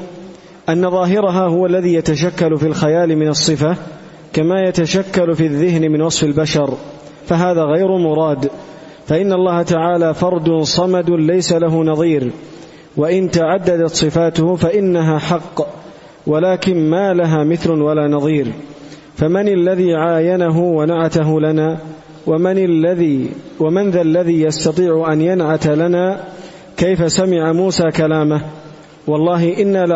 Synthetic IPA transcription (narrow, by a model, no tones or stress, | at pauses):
ʔanːaðˤɑːɦɪɾaɦaːhʊwaʔlːaðiːjat̪aʃakːalʊfiːlxajaːlɪmɪnɑsˤːɨfa | kamaːjat̪aʃakːalfiːaðːɪɦnɪmɪnwɑsˤfɪlbaʃɑɾˤ | faɦaːðaːɣajɾʊmʊɾˤɑːd̪ | faʔɪnːaʔlˤːɑːhat̪aʕaːlaːfɑɾˤd̪ʊnsˤɑmad̪ʊlajsalaɦʊnɑðˤiːɾ | waʔɪnt̪aʕad̪ːad̪at̪sˤɨfaːt̪ʊhʊfaʔɪnːaɦaːħɑqː | walaːkɪnmaːlaɦaːmɪθlʊwalaːnɑðˤiːɾ | famanalːaðiːʕaːjanaɦʊwanaʕat̪aɦʊlanaː | wamanðalːaðiːjast̪ɑt̪ˤiːʕʊʔanjanʕat̪alanaː | kajfasamɪʕamuːsaːkalaːmah | wɑlˤːɑːɦɪʔɪnːaːl